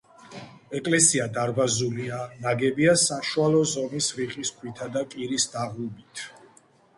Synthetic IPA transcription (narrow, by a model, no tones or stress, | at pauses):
ɛkʼlɛsiad̪aɾbazulianaɡɛbiasaʃualɔzɔmisɾiqʼiskʰwit̪ʰad̪akʼiɾisd̪aʁlubit̪ʰ